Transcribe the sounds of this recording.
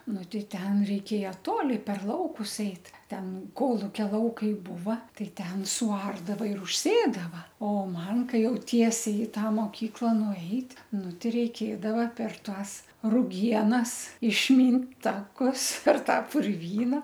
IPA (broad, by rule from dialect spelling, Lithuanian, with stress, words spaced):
ˈnʊ ˈtʲɛɪ ˈtʲɛn rʲɛɪˈkʲeːjɛ ˈtoːlʲɪ pʲɛr ˈlˠɐʊkʊs ˈɛɪt ˈtʲɛn ˈkoːlˠʊkʲɛ ˈlˠɐʊkɐɪ ˈbuːʋɐ ˈtɐɪ ˈtʲɛn sʊˈɐrdɐʋɐ ɪr ʊʃʲˈsʲeːdɐʋɐ oː ˈmɐn ˈkɐɪ ˈjɛʊ ˈtʲiɛsʲɛɪ ɪ ˈtɑː moːˈkʲiːklˠɐ nʊˈɛɪtʲ ˈnʊ ˈtʲɪ rʲɛɪˈkʲeːdɐʋɐ pʲɛr ˈtɑːs rʊˈɡʲiɛnɐs ɪʃʲˈmʲiːnt ˈtɑːkʊs pʲɛr ˈtɑː pʊrʲˈʋʲiːnɐ